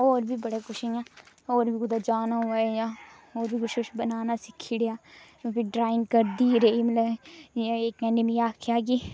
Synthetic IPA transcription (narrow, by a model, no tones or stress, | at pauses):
oːɾbʱibɐɽekʊʃijãː | oːɾbʱiɡʊd̪ad͡ʒaːnaɦʊajã | oːɾbʱikʊʃkʊʃbɐnaːnasɪkʰːiɽejãː | pʰɪɖɾaːɪnkəɾd̪iɾɐimɐlə | eːkɛnɪmiaːkʰjaːɡiː